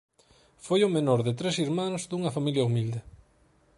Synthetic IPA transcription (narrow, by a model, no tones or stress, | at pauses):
fojomenɔɾðɪt̪ɾesiɾmãnozðuŋɐfamiljɐumild̪e